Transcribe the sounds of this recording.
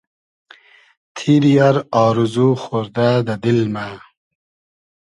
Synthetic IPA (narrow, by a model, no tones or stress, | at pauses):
t̪ʰiɾijaɾɑːɾuzuxoɾd̪ad̪ad̪ilma